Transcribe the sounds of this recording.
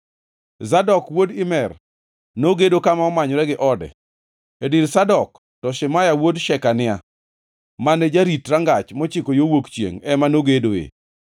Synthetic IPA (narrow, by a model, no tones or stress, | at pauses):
zadɔkwodɪmɛr | noɡedokamaɔmaɲɔɾɛɡɪʔɔdɛ̰ | ediɾsadɔk | tɔʃɪmajawodʃɛkanɪa | manɛd͡ʒaɾitɾaŋɡat͡ʃmɔt͡ʃikojowokt͡ʃjḛŋɛmanoɡedoḛ